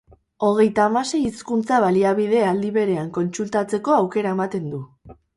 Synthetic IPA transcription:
o̞ɣ̞e̞jt̪aːmase̞jiskunt͡saβaliaβið̞e̞ald̪iβe̞ɾe̞aŋko̞nt͡sult̪at͡se̞ko̞awke̞ɾaemat̪e̞nd̪u

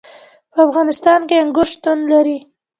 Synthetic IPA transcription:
pəafɣɑnɪst̪ɑnkeaŋɡʊʃt̪unlaɾi

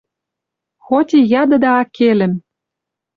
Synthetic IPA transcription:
xot̪ʲijɑd̪ɤ̆d̪ɑːkelɘ̆m

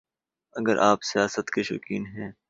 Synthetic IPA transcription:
ɐɡəɾʔaːpsijaːsət̪keʃʊ̰kiːnɦɛ̃ː

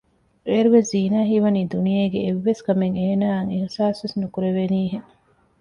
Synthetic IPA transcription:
eːɾuʋesziːnaːɦiʋɐniːd̪unijeːɡeːʋːeskɐmeŋeːnaːŋehsaːsʋesnukuɾeʋeniːɦeŋ

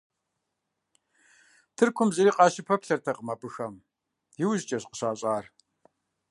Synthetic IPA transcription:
tʰɨrkʷʰʊmzɐɾiːqɑːʃɪpʰɐpɬɐrtʰɐqəmabɨxɐm | jɪwʑt͡ʃʼɐɕqə̥ɕaːɕʼaːr

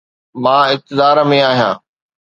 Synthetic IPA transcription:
mãːɪk̚t̪ɪd̪aːɾəmẽaːɦijã̰ː

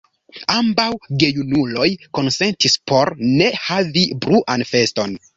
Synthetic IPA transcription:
ambawɡe̞junulo̞jko̞nse̞ntispʰo̞ɾne̞havibɾuʔanfe̞sto̞n

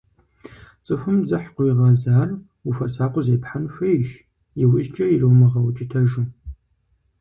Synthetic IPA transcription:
t͡sʼɨfɨmzɨħqʷʊjiʁɐzaːr | ufɐsaːqʷʼʊzeːpħanfɐjʃ | jɪwɪʒt͡ʃʼɐjirɨwmɐʁɐwt͡ʃʼɪtʰɐʒɨ

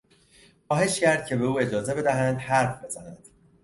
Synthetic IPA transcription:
xɒːhe̞ʃcæɾd̪̥̚cʰe̞be̞uːe̞d͡ʒɒːze̞be̞d̪æɦænd̪hæɾfbe̞zænænd̪̥

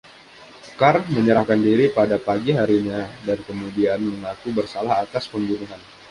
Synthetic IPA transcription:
karməɲəɾahkandiɾipadapaɡiɦaɾiɲadankəmudianməŋakubərsalaɦat̪aspəmbunuɦan

